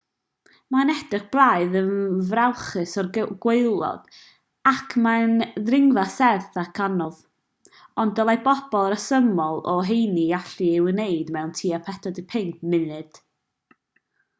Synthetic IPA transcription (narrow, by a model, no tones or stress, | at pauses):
manɛd̥rɪχb̥lˠaɨðənvrawχɨsɔrɡweɨlˠɔ̰d̥ | akʰmanðrɪŋvasɛrθakʰanɔv | ɔndɔlˠajbɔb̥ɔlˠɾəsəmɔlˠɔɦejniaɬiɪwənejdmɛwntʰiːapʰɛtʰɔdɪpʰɪŋkmɪnɨd̥